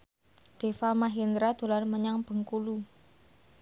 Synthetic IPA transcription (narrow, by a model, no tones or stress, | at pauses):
d̪̥efamaɦind̪ɾad̪̥o̤larməɲaŋb̥ə̤ŋkulu